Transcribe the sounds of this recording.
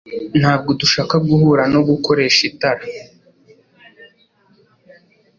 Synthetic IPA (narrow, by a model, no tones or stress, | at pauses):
n̥haːb̚ɡo̞duʃaːkab̚ɡuhuːɾano̞ɡuko̞ɾe̞ːʃitaɾa